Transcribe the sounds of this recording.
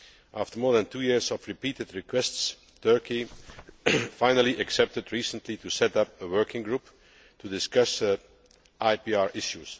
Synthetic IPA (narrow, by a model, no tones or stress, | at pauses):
ʔaftə˞mɔːɹðæ̃ntʰuːjɪɹzɔfɹipiːtɨdɹɪkʰwɛsts | tʰɜ˞ki | fãɪnəl̩ˠiʔəksɛp̚tɨdɹiːsə̃n̩tʰlitusɛtʌpəwɜ˞kɪ̃ŋɡɹup | tʰudɪskʌs | ʔaɪpiɑɹʔɪʃus